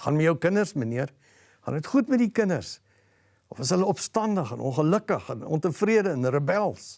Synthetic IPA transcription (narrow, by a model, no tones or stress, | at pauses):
χɑnmɛjəwkənərsməniər | χɑ̰nətχutmɛtdikənərs | ɔfəsɦələɔpstɐndəχənʔɔ̃nχələkəχənɔ̰ntəfriədəənrəbɛlˠs